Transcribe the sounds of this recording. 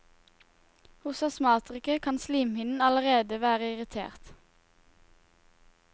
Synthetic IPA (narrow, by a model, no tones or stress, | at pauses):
hʊsɑsmɑːt̪ʁʏkəkʰɑnsliːmhɪnn̩ɑləʁeːd̪əʋæːʁəɪʁɪt̪ʰḛːʁt̪